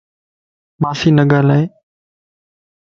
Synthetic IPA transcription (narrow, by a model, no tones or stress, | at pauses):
maːsiːnəɠaːlaːeː